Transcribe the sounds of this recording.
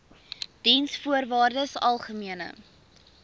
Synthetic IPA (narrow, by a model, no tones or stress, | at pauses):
d̥insfuərvɑːrdəsɐlˠχəmiənə̰